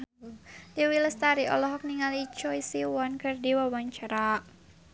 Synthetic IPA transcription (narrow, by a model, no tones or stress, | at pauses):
diwiləst̪aɾiʔɔ̰lɔɦɔk̚niŋalit͡ʃɔjsiwɔnkɨrdiwawaɲt͡ʃaɾaʔ